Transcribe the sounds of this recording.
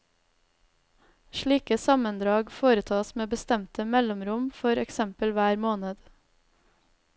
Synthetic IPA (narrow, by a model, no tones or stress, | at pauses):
ʃɭiːkəsɑmənd̪ɾɑːɡfoːɾət̪ʰɑːsmeːbəst̪ɛmt̪əmɛlɔmɾʊmfɔɾɛksɛmpəlʋæːɾmoːnəd̪̥